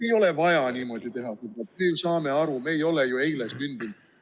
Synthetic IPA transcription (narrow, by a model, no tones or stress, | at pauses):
e̞jo̞le̞vɑjɑniːmo̞d̪it̪e̞ɦɑsulɑt̪̚meːsɑːme̞ɑɾume̞ːjo̞lejoe̞jlesmynd̪in̥